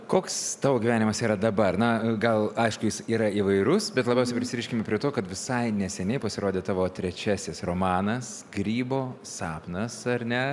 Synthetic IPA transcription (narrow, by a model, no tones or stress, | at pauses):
koːkst̪ɑːʋoːɡʲiʋʲæːnʲɪmɐsiːɾɐd̪ɐbɐrnɐɡɐlˠɐɪʃkʊjɪsiːɾɐiʋɐɪɾʊsbʲɛt̪lˠɐbʲɛʊsʲɛpʲɾʲɪsʲɪɾʲiːʃʲkʲɪmʲɛpʲɾʲɪɛt̪oːkɐt̪ʋʲɪsɐɪnʲɛsʲɛnʲɛɪpɐsʲɪɾoːd̪ʲeːt̪ɑːʋoːt̪ʲɾʲɛt͡ʃʲæːsʲɪsroːmɑːnɐs | ɡ̥ɾʲiːboː | sɑːpnɐsɐrnʲɛ